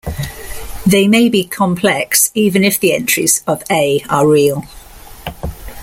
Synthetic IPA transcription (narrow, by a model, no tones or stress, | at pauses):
ðeɪmeɪbikʰɒ̃mpʰl̥ɛksiːvə̃nɪfðiɛ̃nt͡ʃɹ̥ḭz̥əveɪəɹiːəlˠ